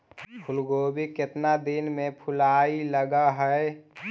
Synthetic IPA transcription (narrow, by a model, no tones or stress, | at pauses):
pʰʊlɡoːbikɪt̪nad̪inmẽpʰʊlaːiləɡaɦəe